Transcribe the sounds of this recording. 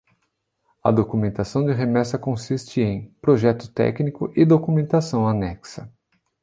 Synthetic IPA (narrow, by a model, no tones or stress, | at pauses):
ɐ̰d̪okumẽnt̪asɐ̃w̃d͡ʒɪɦemɛsɐkõsist͡ʃɪẽj̃pɾoʒɛt̪ʊ̥t̪ɛ̰knikʊʔɪd̪okumẽnt̪asɐ̃w̃anɛksɐ